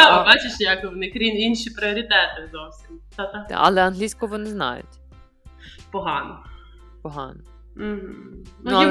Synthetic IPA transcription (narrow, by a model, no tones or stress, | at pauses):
bɑt͡ʃɪʃjɐkʋnɪkɾʲininʃipɾɪɔɾʲit̪ɛt̪ɪzɔwsʲimt̪at̪at̪a̰ʔɐ̰lˠɛɐnɦlʲisʲkɔʋɔnɛznɑ̰jʊ̰tʲ | pɔɦɑnɔ | pɔɦɑ̰nɔ | m̩ɦ̩nu